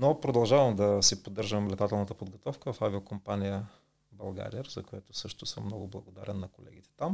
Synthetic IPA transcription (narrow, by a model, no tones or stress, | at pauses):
nopɾod̪ɐlˠʒavɐmd̪ɐsipod̪ːɤɾʒəmlɛt̪at̪ɛlˠnət̪əpod̪ɡot̪ɔfkəvɐfaviokompanijə | bɐlˠɡa̰ɾʲiɛɾzɐkoɛt̪ʊsɤʃt̪ʊsəmːnɔɡʊblˠɐɡod̪a̰ɾɛnːɐkolɛ̰ɡ̟it̪ɛ̥t̪am